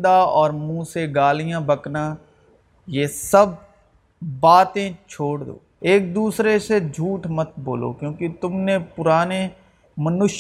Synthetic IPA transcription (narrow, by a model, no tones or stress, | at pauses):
d̪aɔːɾmũːseɡaːlijãbəkna | jesɐb̚ː | aːt̪ẽt͡ʃʰoːɽd̪o̰ːeːk̚d̪uːsɾesed͡ʒʱuːʈmɐt̪̚boːlo̰ːkjõːkit̪ʊmnepʊɾaːne | mɐnʊʃ